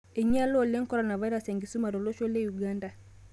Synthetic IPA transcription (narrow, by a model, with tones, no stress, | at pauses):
e˨ɲa˦lɔ˦˨le˦ŋkɔ˦ɾɔna˨va˦i˦ɾa˦se˨ŋɡi˨su˦ma˨ɾo˨lo˦ʃo˦le˦juɡaːnda˨